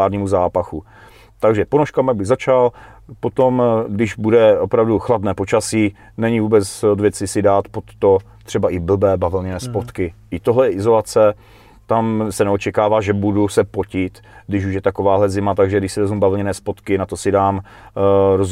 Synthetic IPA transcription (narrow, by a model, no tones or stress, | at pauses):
aːɾɲiːmuzaːpaxu | t̪aɡʒɛponoʃkaːmaɡ̚bɪɣzat͡ʃal | po̞t̪o̞mɡdɪʒbudɛʔopɾavduxladnɛːpo̞t͡ʃasiː | nɛɲɪvuːbɛt͡sod̪vjɛt͡sɪsɪdaːt̪po̞t̪ːo | t̪r̥ɛbaʔɪbl̩bɛːbavɪlɲɛnɛːspo̞t̪kɪʔɪt̪oɦlɛjɛʔɪzo̞lat͡sɛ | t̪amsɛnɛot͡ʃɛkaːvaːʒɛbudusɛpo̞cɪt̪ | ɡdɪʃuʃjɛt̪ako̞vaːɦlɛzɪmat̪aɡʒɛɡdɪʃsɪɾozmubavɪlɲɛnɛːspo̞t̪kɪnat̪o̞sɪdaːm | ɾoz